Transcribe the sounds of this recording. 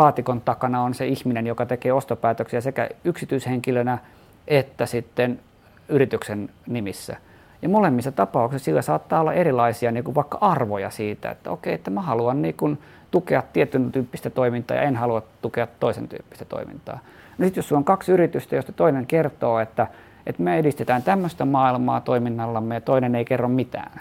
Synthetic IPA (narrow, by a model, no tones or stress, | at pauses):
lɑːt̪ikont̪ɑkɑnɑonseihminenjokɑt̪ekeːost̪opæːt̪øksiæsekæ̰yksit̪yisheŋkilønæ | ʔet̪ːæsit̪ːen | yrit̪yksennimisːæ̰ | jɑmolemːisːɑt̪ɑpɑuksissilːæsɑːt̪ːɑːolːɑ̰erilɑisiɑniːkuʋʋɑikːɑ̰ʔɑrʋojɑ̰siːt̪æ̰ḛt̪ːæ̰o̰keiet̪ːæmæhɑluɑnniːkun | t̪ukeɑt̪t̪iet̪ynt̪yːpːist̪æt̪oimint̪ˑɑ̰ːjɑ̰enhɑluɑtt̪ukeɑt̪toisḛnt̪y̰ːpːi̥st̪æ̥t̪o̰imḭnt̪ɑ̰ː | nosit̪josːunːoŋkɑksyrit̪yst̪æjost̪ɑ̥t̪oineŋkert̪oːet̪ːæ | ʔet̪myøedist̪et̪æːnt̪æmːøst̪æmɑːilmɑ̰ːt̪oiminːɑlːɑmːejɑt̪oineneikerːommit̪æ̰ːn